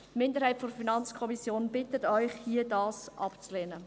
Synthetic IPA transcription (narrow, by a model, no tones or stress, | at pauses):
tmɪndəɾhɛɪtfɔɾfinɑnt͡skʰɔmisjoːnb̥ɪtətœʏχhiədɑːsʔɑpt͡sleːnə